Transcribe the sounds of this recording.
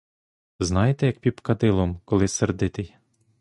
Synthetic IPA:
znɑjet̪ɛjɐk̚pʲipkɐd̪ɪlˠɔmkɔlˠɪserd̪ɪt̪ɪj

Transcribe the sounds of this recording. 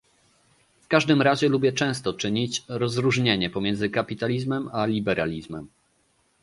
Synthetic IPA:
fkaʐd̪ɘmɾaʑɛlubʲjɛt͡ʂɛ̃w̃st̪ɔt͡ʂɘɲit͡ɕɾɔzɾuʐɲeɲɛpɔmʲjɛnd̪zɘkapʲit̪alʲizmɛmalʲibɛɾʔalʲizmɛm

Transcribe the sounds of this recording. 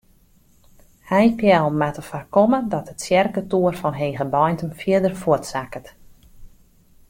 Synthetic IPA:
hɛjpjɛlˠmatəfarkɔmədɔtətsjɛrkətuərfɔnɦejɣəbɔjntəmfjiədərfʊətsakət

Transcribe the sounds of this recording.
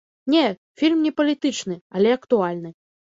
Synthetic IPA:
nʲɛ | fʲilʲmnʲɛpɐlʲit̪ɨt͡ʂnɨɐlʲɛɐkt̪ualʲnɨ

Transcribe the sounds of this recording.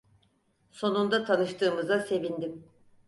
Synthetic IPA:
so̞nund̪at̪ʰanɯʃt̪ʰɯːmɯzase̞vind̪im

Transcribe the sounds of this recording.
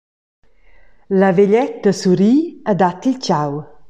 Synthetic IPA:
ləveʎɛt̪̚d̪əsuɾiəd̪at̪ilt͡ʃaw

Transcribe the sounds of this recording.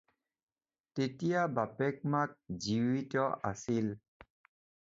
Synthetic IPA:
tetijabapɛk̚mak̚ziwitɔa̰sil

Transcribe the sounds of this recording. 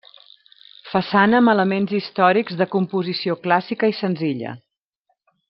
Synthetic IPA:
fəsanəːmələmenzist̪ɔɾiɡzðəkumpuzisioklasikəisənziʎə̰

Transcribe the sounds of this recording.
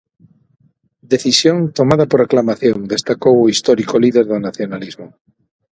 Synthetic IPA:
d̪eθisjoŋt̪omaðapoɾaklamaθjoŋd̪est̪akowoist̪ɔɾikoliðeɾðonaθjonalizmo

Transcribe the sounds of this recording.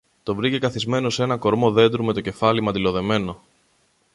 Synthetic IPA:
t̪o̞vɾicekɐθizme̞no̞se̞nɐko̞ɾmo̞ðe̞nd̪ɾume̞t̪o̞ce̞fɐlimɐnd̪ilo̞ðe̞me̞no̞

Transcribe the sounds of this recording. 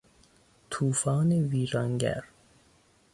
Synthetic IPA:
t̪ʰuːfɒːneviːɾɒːŋɡæ̰ɾ

